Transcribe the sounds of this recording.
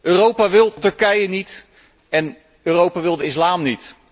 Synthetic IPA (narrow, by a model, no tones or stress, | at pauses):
ʔøːrowpaːʋɪlˠtɵɹkɛjənit | ɛn | øːrowpaʋɪlˠdəɪslaːmnit